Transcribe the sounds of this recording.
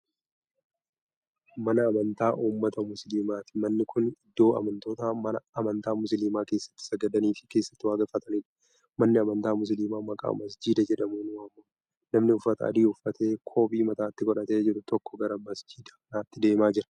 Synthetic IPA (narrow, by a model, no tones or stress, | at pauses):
mɐnɐːmɐnt̪aːʔuːmːɐt̪ɐmʊsliːmaːt̪ɪ̥mɐnːɪkʊnɪd̪ːo̞ːɐ̰mɐnt̪o̞ːt̪aːmɐnɐɐmɐnt̪aːmʊsliːmaːke̞ːsːɐ̥t̪ːɪ̥sɐɡɐd̪ɐniːfɪ̥ke̞ːsːɐ̥t̪ːɪwaːɡɐfːɐt̪ɐniːᶑɐ̥ | mɐnːɪɐmɐnt̪aːmʊs̬liːmaːmɐkʼa̰ːmɐsd͡ʒiːd̪ɐd͡ʒɛᶑɐmuːnʊɐmːɐ | nɐmnɪʊfːɐt̪ɐɐ̰d̪iːʊfːɐt̪e̞ːkʰo̞ːpʼiːmɐt̪aːt̪ːɪɡɔᶑɐt̪e̞ːd͡ʒɛᶑʊt̪ɔkːɔɡɐɾɐmɐsd͡ʒiːd̪ɐnaːt̪ːɪd̪e̞ːmaːd͡ʒɪɾɐ̥